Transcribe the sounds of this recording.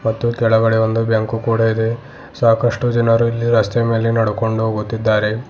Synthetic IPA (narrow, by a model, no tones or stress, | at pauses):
mɐt̪ːukɛɭɐɡɐɽeʋo̞nd̪ubjaːŋkukuːɽaid̪e̞ | saːkɐʂʈud͡ʒinɐɾuilːiɾɐst̪eme̞ːlinɐɽuko̞ɳɖuɦoːɡut̪ːid̪ːaːɾe̞